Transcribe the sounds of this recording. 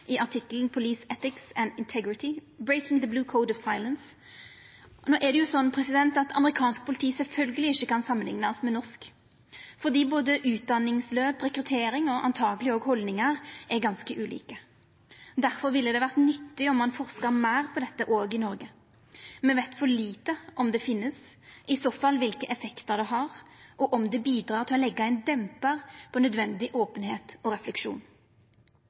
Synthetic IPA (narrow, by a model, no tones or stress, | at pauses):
ʔɪʔɑʁʈ̪ʰɪkːlnpʰʊliːsɛt̪ɪksɛnd̪ɪnt̪ʰɛɡɾɪt̪ʰɪ | bɹeɪkɪŋðəbluːkʰoʊd̪ɔʋsɑɪləns | noːʔɛd̪ɛjʊsɔnːpʰʁɛsɪd̪ɛnt̪ɑt̪ʰɑ̰məʁɪkʰɑːnsk̚pʰʊlɪt̪ʰiːsɛlfœlɡəlɪɪçːəkɑnsɑmːənlɪ̰ŋnəsmɛnɔsk | fɔʁd̪iːboːd̪əʔʉːt̪̚d̪ɑnːɪŋsløːpʁɛkɾʉt̪ʰeːɾɪŋɔʔɑ̰nt̪ʰɑːɡəlɪoːɡhɔld̪nɪŋəʁʔɛɡɑnskəʔʉːlḭːkə | d̪æʁfɔʁʋɪlːəd̪ɛʋæʁt̪nʏt̪ːɪɔmːɑnfɔʁskəʁmæɪʁpʰɔd̪ɛt̪ːəʔoːɡɪnɔɾɡə | mɛnʋeɪt̪fɔʁɭiːt̪əʔɔmd̪ɛfɪnːəs | ʔɪsoːfɑlʋɪlkəʔɛfɛkt̪əʁd̪ɛɦɑʁʔɔʔɔmd̪ɛbiːd̪ɾɑːʁt̪ʰɪlɔlɛɡːɑæɪnd̪ɛmpəʁpʰɔnœd̪ʋɛnd̪ɪʔoːpənheːt̪ɔʁɛflɛkʂṵːn